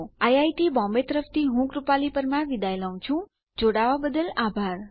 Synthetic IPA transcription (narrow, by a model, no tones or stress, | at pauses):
ajajʈibɔ̃mbet̪əɾəft̪iɦũkɾupalipəɾmãʋid̪ajlaũt͡ʃʰũ | d͡ʒoɽaʋabəd̪əlabʱaɾ